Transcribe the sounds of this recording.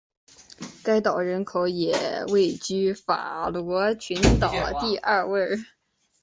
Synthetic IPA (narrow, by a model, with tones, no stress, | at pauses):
ka˥ɪt̪ɑ˨˩ʊɻə˧˥nkʰo˧˥ʊjɛ̰˨˩we˥˩ɪt͡ɕy˥fa̰˨˩lwɔ˧˥t͡ɕʰy˧˥nt̪ɑ˨˩ʊt̪i˥˧ʔɐ˥˧we˥˩ɪ